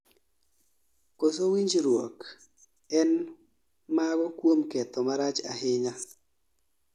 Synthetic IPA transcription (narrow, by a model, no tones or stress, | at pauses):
kos̬owiɲd͡ʒɾwok | ɛn | maɡɔkwomkɛt̪ɔmaɾat͡ʃa̰ɦɪɲa